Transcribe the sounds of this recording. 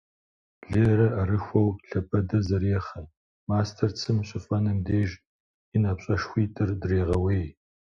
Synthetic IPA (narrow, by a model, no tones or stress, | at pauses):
ɮeɾɐaɾɨxʷɐwɬɐpʰɐdɐzɐɾeːχɐ | maːstʰɐrt͡sʰɨmɕʼɪfʼɐnɐmdeːʒ | inapɕʼɐʂxʷiːtʼɨrdreːʁɐweːj